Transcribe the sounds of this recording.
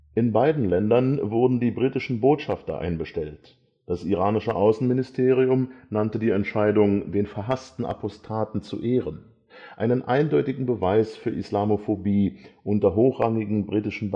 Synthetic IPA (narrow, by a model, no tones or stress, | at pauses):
ʔɪnbaɪdn̩lɛndɐnvʊɐdn̩diːbʁiːtɪʃn̩boːtʃaftɐ̰ʔa̰ɪnbəʃtɛlt | d̥asʔiʁaːnɪʃəʔaʊsn̩mɪnɪstʰeːʁ̞iʊmnantədiːɛntʃaɪdʊŋdeːnfɛɐɦastn̩ʔa̰pʰɔstʰaːtn̩t͡sṵʔeːʁ̞ən | ʔaɪnənʔaɪndɔʏtɪɡŋ̩bəvaɪsfyːɐʔɪ̰slaːmofobiːʔʊntɐɦoːxʁ̥aŋɪɡŋ̩bʁiːtɪʃn̩b